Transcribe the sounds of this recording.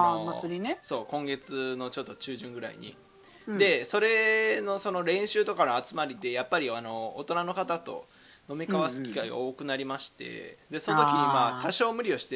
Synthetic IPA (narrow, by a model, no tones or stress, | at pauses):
aɾineso̞ːkõ̞ŋɡe̞t͡sɨno̞t͡ɕo̞t̪ːo̞t͡ɕɨːʑɨ̃ŋɡɯ̟ɾa̰ḭɲ̟ḭ | d̪e̞so̞ɾe̞no̞so̞no̞ɾẽ̞ɰ̃ɕɨːt̪o̞kanoat͡sɨmaɾʲid̪e̞japːaɾʲiano̞ːt̪o̞nano̞kat̪at̪o̞̰ | no̞mʲikaβasɨ̥kʲi̥kaiɡa̰oːkɯ̟naɾʲimaɕi̥t̪e̞̰d̪e̞sonot̪okiɲ̟imaːt̪aɕo̞ːmɯ̟ɾʲio̞ɕi̥t̪e